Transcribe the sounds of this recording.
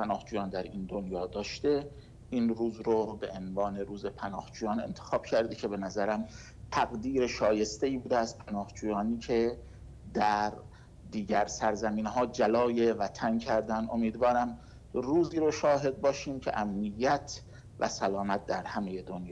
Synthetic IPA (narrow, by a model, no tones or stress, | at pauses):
pænɒːhd͡ʒuːjɒːnd̪æɾiːnd̪onjɒːd̪ɒːʃt̪e̞ | iːnruːzɾobḛʔenvɒːne̞ɾuːzepʰænɒ̰ːhd͡ʒuːjɒːne̞̰nt̪ʰexɒːb̥̚cʰæɾd̪ecʰe̞be̞næzæɾæm | t̪ʰæɣd̪iːɾeʃɒːje̞st̪eiːbuːd̪eæz̥pʰænɒːhd͡ʒuːjɒːniːcʰe̞ | d̪æɾ | d̪iːɟæɾsæɾzæmiːnɦɒːd͡ʒælɒːjevæt̪ʰæncʰæɾd̪ænd̪o̞̰miːd̪vɒːɾæm | ruːziːɾoʃɒːɦe̞d̪̚bɒːʃiːmcʰe̞̰ʔæmnijːæt̪ʰ | væ̰sælɒːmæt̪̚d̪æɾhæme̞jed̪onjː